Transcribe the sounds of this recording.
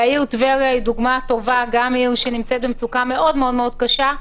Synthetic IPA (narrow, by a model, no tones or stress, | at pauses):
aiʁtveʁjaiduɡmato̞vaɡamiʁʃenimt͡sɛt̪̚bemt͡sukame̞ʔo̞dmeo̞dme̞o̞d̥̚kaʃa